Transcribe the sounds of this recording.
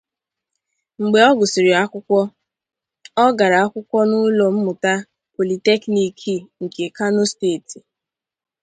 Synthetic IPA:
ŋ͡m̩˨ɡ͡be˨ɔ˦ɡʊ˨si˨ɾɪ˨a˦kʷʊ˦kʷɔ˦ | ɔ˦ɡa˨ɾa˨a˦kʷʊ˦kʷɔ˦nʊ˦lo˨m̩˦mʊ˨ta˦ | po˨li˨te˦kni˨kʰi˦ŋ̩˨ke˨ka˦no˦steː˦˨ti˨

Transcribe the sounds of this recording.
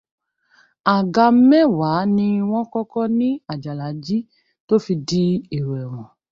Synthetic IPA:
a˨ɡa˧˦mɛ̃˦wa˨˦nĩ˧w̃ɔ̃˦kɔ˦kɔ˦nĩ˦a˦˨d͡ʒa˨la˨˦d͡ʒi˦ | to˦fi˧di˦i˦˨ɾɛ˨w̃ɔ̃˨

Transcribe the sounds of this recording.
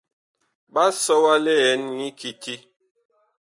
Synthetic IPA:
ɓa˦sɔ˦wa˦le˦ɛ˨˦nŋi˦ki˨ti˦

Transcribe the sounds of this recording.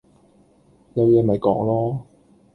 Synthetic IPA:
jɐ˨˧wjɛː˨˧mɐ˨jkɔː˨˥ŋlɔː˥

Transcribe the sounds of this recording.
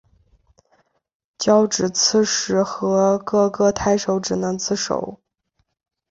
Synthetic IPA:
t͡ɕjɑ˥ʊʈ͡ʂɻ̩˨˩t͡sʰɹ̩˥ʂɻ̩˧˥xɤ˧˥kɤ˥˧kɤ˥˩t̪ʰa˥ɪʂo˧˥ʊʈ͡ʂɻ̩˨˩nɤ˧˥ŋt͡sʰɹ̩˥˩ʂo̰˨˩˦ʊ

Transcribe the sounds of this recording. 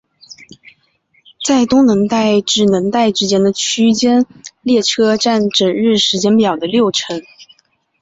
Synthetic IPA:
t͡sa˥˩ɪt̪ʊ˥ŋnə˧˥ŋt̪a˥˩ɪʈ͡ʂɻ̩˥˩nə˧˥ŋt̪a˥˩ɪʈ͡ʂɻ̩˥t͡ɕjɛ˥nd̪ə˨t͡ɕʰy˥t͡ɕjɛ˥nljɛ˥˩ʈ͡ʂʰɤ˥ʈ͡ʂa˥˩nʈ͡ʂə˨˩ŋɻɻ̩˥˩ʂɻ̩˧˥t͡ɕjɛ˥npjɑ˨˩ʊd̪ə˦ljo˥˩ʊʈ͡ʂʰɤ˧˥ŋ

